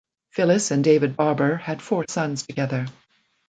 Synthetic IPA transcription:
fɪlˠɨsɨ̃ndeɪvɨd̚bɑɹbə˞ɨd̥fɔɹsʌ̃nz̥tʰɨɡɛðə˞

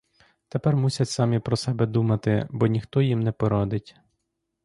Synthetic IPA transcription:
t̪epɛrmusʲɐtʲsɑmʲipɾɔsɛbɛd̪umɐt̪ɪbɔnʲixt̪ɔjimnɛpɔɾɔd̪ɪtʲ

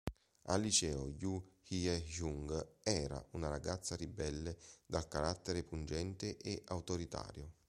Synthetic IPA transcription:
a̰lit͡ʃɛːojuhiɛʒuŋɡɛːɾa̰unaɾaɡat̪sːaɾibɛlːed̪alkaɾat̪ːeɾepund͡ʒɛnt̪eʔeʔawt̪oɾit̪a̰ːɾjʊ

